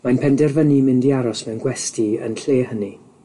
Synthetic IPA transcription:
majnpʰɛndɛrvənimɪndiaɾɔsmɛwnɡwɛstiə̰nɬeːɦəni

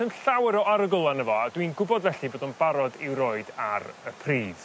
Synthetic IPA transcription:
ənɬawɪɾɔaɾəɡʊlˠanəvɔad̥winɡʊbɔdvɛɬiboːdɔnbaɾɔdɪwɾoɨda̰ɾəpʰriːd̥

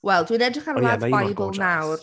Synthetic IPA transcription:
wɛlˠdwinɛdəkʰaladbajbəlˠnaw

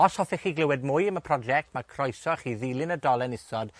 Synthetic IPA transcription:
ɔshɔθɪχiːɡlɪwɛd̚mʊjəməpʰrɔd͡ʒɛk̚tʰmakʰrɔjsɔaχiːðilˠɪnədɔlˠɛnɪsɔd̥

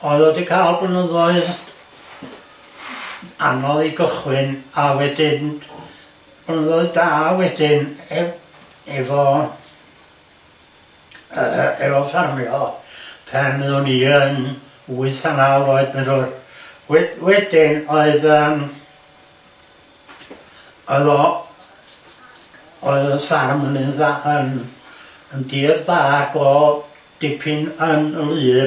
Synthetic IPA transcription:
ɔɨðodikʰaːlˠbənəðɔɨð | a̰nɔðiɡəχwɪnawɛdɪn | b̥ənəðɔɨðdaːwɛdɪnɛ | ɛvɔ | əɛvɔvsarmjɔpʰɛnɨðuniən | uɨsanaloɨðmɛnrurwɛwɛdɪnɔɨðəːm | ɔɨðɔ | ɔɨðəsarmənɨnðaʔən | əndiːrðaːɡ̥ɔ | d̥ɪpʰɨnənəlˠɨː

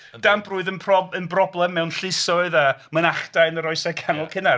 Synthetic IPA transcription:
d̥ambruːɨðənpʰrɔənbrɔblˠɛmːɛwnɬɪsɔɨðamənaχdajnəɾɔɨsɛkʰanɔlˠkʰɪna

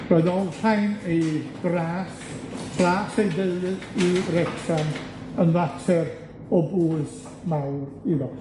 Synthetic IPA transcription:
rɔːɨðɔlˠr̥ajneɡ̥raːs | pʰlaːsejdəlɨirɛksan | ənlatʰɛr | ɔbuːɨs | mawriðɔ

